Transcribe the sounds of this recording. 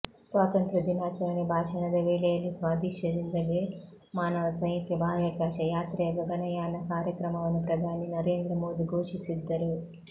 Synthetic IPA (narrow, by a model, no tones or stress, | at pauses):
sʋaːt̪ɐnt̪ɾud̪inaːt͡ʃɐɾɐnibʱaːʂɐnɐd̪ɐʋiːleːlisʋaːd̪ʱiʃɐd̪ind̪ɐleː | maːnɐʋɐsɐjit̪jɐbʱaːjɐkaːʃɐjaːt̪ɾɛːɡɐɡɐnɐjaːnɐkaːɾjɐkɾɐmɐmɐnipɾɐd̪ʱaːninɐɾe̞ːnd̪ɾɐmo̞ːd̪iɡʱuːʂisid̪ːɐɾu